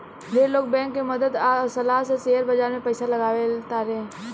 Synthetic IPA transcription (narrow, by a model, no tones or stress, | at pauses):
d̪eːloːk̚bɛ̃ːŋkːeməd̪əd̪asɐlaːɦseseːɦəɾbəd͡ʒaːɾmẽpəɪsalɐɡaːʋet̪aɾẽː